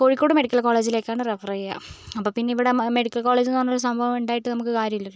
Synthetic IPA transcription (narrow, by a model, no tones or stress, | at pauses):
koɻikʲːoːɽɨme̞ɽikʲːɐlkoːle̞ːd͡ʑileːkʲːaːɳɨrefɐrɐja̰ɐpːoːpinːeiʋiɽeme̞ɽikʲːɐlkoːɭe̞ːd͡ʑinoːnːolːɐsɐmbʱɐʋɐmuɳɖaːjiʈːɨnɐmukːɨkaːɾjɐmilːɐ